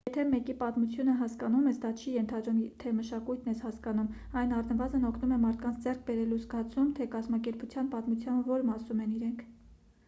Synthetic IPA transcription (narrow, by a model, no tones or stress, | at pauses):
jɛt̪ʰɛmɛkipɑt̪mut͡sʰjunəɦɑskɑnumɛsd̪ɑt͡ʃʰijɛnt̪ʰɑd̪ɾumt̪ʰɛməʃɑkujt̪ʰnɛshɑskɑnum | ɑjnɑrnəvɑzənɔkʰnumɛmɑɾt̪ʰkɑnt͡sʰd͡zɛrk̚ʰbɛɾɛluzɡɑt͡sʰumt̪ʰɛkɑzmɑkɛɾput͡sʰjɑnpɑt̪mut͡sʰjɑnvɔɾmɑsumɛniɾɛŋkʰ